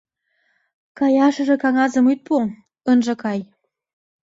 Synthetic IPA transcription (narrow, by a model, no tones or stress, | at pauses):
kɑjɑʃə̆ʒĕkɑŋɑzə̆myt̪̚po | ənʒɤ̆kɑj